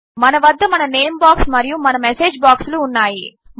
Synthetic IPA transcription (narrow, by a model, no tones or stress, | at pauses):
mɐnɐʋɐd̪ʱːɐmɐnɐne̞ːmbaːksmɐɾijumɐnɐmese̞ːd͡ʒbaːksluːnːaːji | m